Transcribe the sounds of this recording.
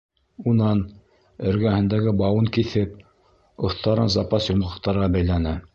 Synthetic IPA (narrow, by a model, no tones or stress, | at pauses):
unɑn | ɵ̆ɾɡæhɘ̆nd̪æɡɘbɑwɤŋkiθɘp | ŏθt̪ɑɾɤnzɑpɑsjomʁɤ̆qt̪ɑɾʁɑbæjlænɘ